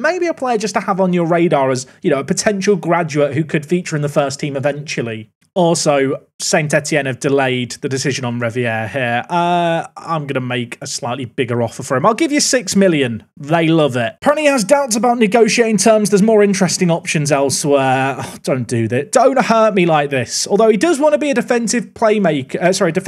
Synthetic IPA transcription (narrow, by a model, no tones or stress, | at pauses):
meɪbiəpʰl̥ɛɪəd͡ʒʌstʰəəvn̩jəɹeɪdɑːɹəzjənoʊəpətʰɛ̃nʃəlˠɡɹad͡ʒʉəʔhʉkʰəd̥fiˑt͡ʃəɹɪ̃nðəfɜˑstʰĩːmɪvɛ̃nt͡ʃəl̩ˠi | ɔˑlˠsoʊ | sẽɪ̃ntɛtʰiɛ̃nəvdɪleɪd̪̚ðədɪsɪʒə̃nə̃nɹɛviɛːhiəɹʌã̰ɪ̃mɡʌnəmeɪkʰəslaɪʔˡlibɪɡəɹɒfəfəɹɪ̃maɪlˠɡɪvjəsɪksmɪlˠjə̃n | ðeɪlʌvɪt̚pʰɹ̥ɑbbnliəzdaʊtsəbaʊʔⁿnɪɡoʊʃieɪtɪ̃ŋtʰɜːmzðəzmɔːɹɪ̃nt͡ʃɹ̥ɛstɪ̃ŋɒpʃə̃nzɛlˠswɛːd̥õʊ̃nd̥əðɪs̚d̥õʊ̃nt̚hɜˑʔ̚milaɪk̚ðɪsɔːlˠðoʊidʌzwɒ̃ntʰəbiədɪfɛ̃nsɪv̥pʰl̥eɪmeɪkʰəsɒɹidɪf